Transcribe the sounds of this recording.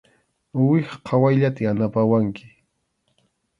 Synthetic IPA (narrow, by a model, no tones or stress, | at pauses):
wɪχqʰɑwajʎat̪aanapawaŋkɪ̥